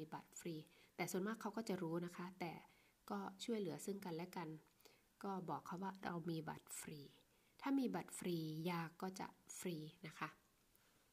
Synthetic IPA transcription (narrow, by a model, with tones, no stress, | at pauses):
ba˨˩t̪̚fɾiː˧t̪ɛː˨˩su˨˩ənmaː˥˩kʰːa˦˥wkɔː˥˩t͡ɕa˨˩ɾuː˦˥na˦˥kʰa˦˥t̪ɛː˨˩ | kɔː˥˩t͡ɕʰu˥˩əjlɯ˩˦ɐsɯ˥˩ŋka˧nlɛ˦˥ka˧n | kɔː˥˩bɔː˨˩kʰːa˦˥wːaː˥˩ɾa̰˧wmiː˧ba̰˨˩t̪̚fɾiː˧ | t̪ʰaː˥˩miː˧ba˨˩t̪̚fɾiː˧jaː˧kɔː˥˩t͡ɕa̰˨˩ʔfɾiː˧na˦˥kʰa˦˥ʔ